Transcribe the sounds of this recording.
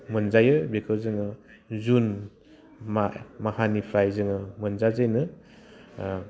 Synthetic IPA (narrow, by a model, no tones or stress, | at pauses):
mɯnzajɯbekʰɯzɯŋɯ | zun | mamahanipʰɾajzɯŋɯmɯnzazajnɯ